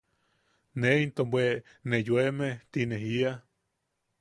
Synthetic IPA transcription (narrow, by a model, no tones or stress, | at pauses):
neint̪ombwe | nejwemet̪ineɦia